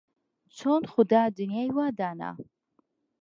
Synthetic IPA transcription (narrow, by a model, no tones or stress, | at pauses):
t͡sʰɔnχʊd̪aːd̪unijajwad̪aːna̰